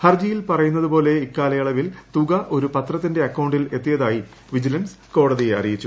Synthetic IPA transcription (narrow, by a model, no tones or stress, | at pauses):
hɐrd͡ʑijilpɐrɐjunːɐðupo̞ːle̞ikːaːlɐjɐɭɐʋilt̪uɣɐʔo̞ɾupɐt̪rɐt̪ːinde̞ɐkːɐwɳɖile̞t̪ːijɐðaːji | ʋid͡ʑilɐns | ko̞ːɽɐðijeɐ̰rijit͡ɕːu